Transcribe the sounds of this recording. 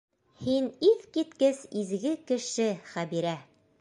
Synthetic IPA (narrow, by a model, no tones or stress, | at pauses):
hiniðkit̪kɘsizɡɘkɘ̆ʃɘχæbiɾæ